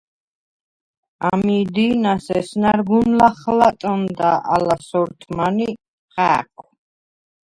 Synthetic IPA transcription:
amid̪inasɛsnaɾɡunlaχlat̪ʼɔnd̪aʔa̰lasɔɾt̪ʰmani | χɛkʰu

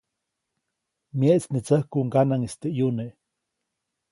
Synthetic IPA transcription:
mjeʔt͡snit͡səhkuŋɡanaŋest̪eʔjuneʔ

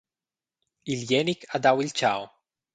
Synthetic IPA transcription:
iljɛnikad̪awilt͡ʃaw

